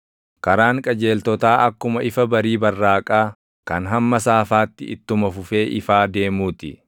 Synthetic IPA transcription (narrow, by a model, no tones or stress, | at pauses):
kɐɾaːŋkʼɐd͡ʒe̞ːlt̪ɔt̪aːʔɐkːʊmɐʔɪfɐbɐɾiːbɐrːaːkʼaː | kɐnɦɐmːɐsaːfaːt̪ːɪ̰ɪ̰t̪ːʊmɐfʊfe̞ːʔɪfaːd̪e̞ːmuːt̪ɪ